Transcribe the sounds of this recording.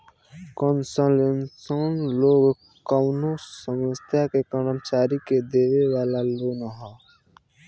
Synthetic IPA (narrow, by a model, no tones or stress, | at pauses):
kɔnsəlensonloːɡ | kəʊnosəməst̪ʰjakekəɾəmt͡ʃaːɾiked̪eːʋeʋaːlaloːnəɦɔː